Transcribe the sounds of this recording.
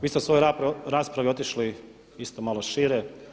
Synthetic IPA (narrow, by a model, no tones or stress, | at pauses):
ʋiːsesʋo̞joɾaːspɾaʋio̞t̪iʃli | ist̪omalo̞ʃiːɾe